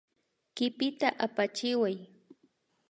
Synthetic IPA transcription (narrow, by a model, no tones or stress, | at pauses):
kɪpɪt̪aʔapat͡ʃɪwaj